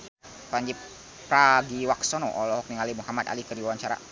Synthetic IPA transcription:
paɲd͡ʒi | pɾaɡiwaksɔnɔʔɔlɔhɔk̚niŋalimuhamat̪a̰likəɾiwawaɲt͡ʃaɾa̰

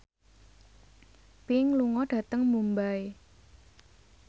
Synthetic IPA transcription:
piŋluŋɔɖ̥ä̤t̪əŋmumbae

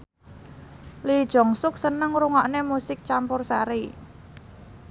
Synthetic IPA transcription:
lid̥ʒ̥ɔ̤ŋsʊk̚sənəŋɾuŋɔʔnemusɪk̚t͡ʃampʊrsaɾi

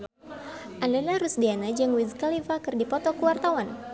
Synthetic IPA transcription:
ʔandalaɾusdianad͡ʒaŋwizkalivakɨrdipɔt̪ɔkuwart̪awan

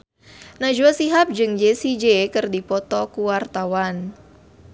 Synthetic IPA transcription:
nad͡ʒuasiɦap̚d͡ʒɨŋd͡ʒesid͡ʒekɨrdipɔt̪ɔkuwart̪awan

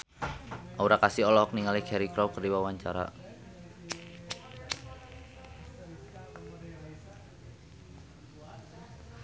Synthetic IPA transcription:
ʔauɾakasiɔlɔk̚niŋaliɡ̥ɛɾikɾɔwkərdiwawaɲt͡ʃaɾa̰

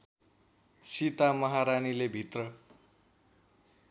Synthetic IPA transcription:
sit̪amʌɦaɾanilebʱit̪rʌ

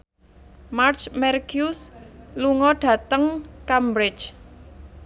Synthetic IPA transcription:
mart͡ʃmɛrkjusluŋɔɖ̥ä̤t̪əŋkambɾɪ̥t͡ʃ

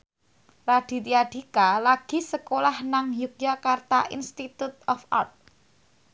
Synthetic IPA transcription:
raɖ̪̥i̤t̪iaɖ̪̥i̤kalaɡ̥i̤səkolahnaŋjuk̚jakart̪a̰ʔḭnst̪it̪ut̪ɔfa̰rt̪̚

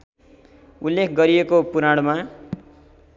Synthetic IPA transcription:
ulːekʰɡʌɾiekopuɾaɽ̃ma

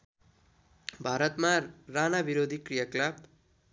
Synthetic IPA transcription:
bʱaɾʌt̪maranabiɾod̪ʱikrijaklap

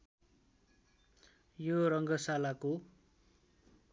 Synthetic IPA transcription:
joɾʌŋɡʌsalako

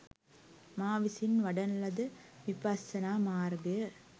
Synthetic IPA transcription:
maːʋɪsɪnʋɐɽɐnlɐd̪ɯʋɪpɐsɐnaːmaːɾɡɐɐ

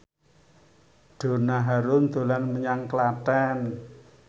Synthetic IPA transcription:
ɖ̥o̤naɦaɾʊnd̪̥o̤lanməɲaŋklatɛn

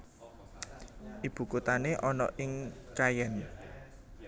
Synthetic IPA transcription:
ʔib̥ṳkut̪aneʔɔnɔ̰ʔɪŋkajɛn

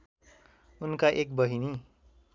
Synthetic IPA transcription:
unkaʔek̚bʌɦini

